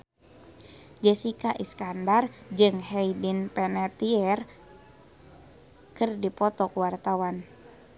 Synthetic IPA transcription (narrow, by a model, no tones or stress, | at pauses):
d͡ʒɛsikaʔiskandard͡ʒɨŋɦɛidinpɛnɛt̪iɛr | kɨrdipɔt̪ɔkuwart̪awan